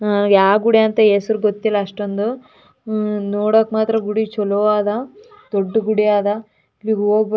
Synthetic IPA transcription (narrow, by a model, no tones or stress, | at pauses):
naːnuɡjaːɡuɽijaːnt̪ɐeːsɐɾuɡot̪ːilːɐːʂʈond̪u | noːɽoːkmaːt̪ɾɐɡuɽit͡ʃɔloʋaːd̪ɐ | d̪oɖːɡuɽijaːd̪ɐ | ʋiːɡɦoːɡ̚b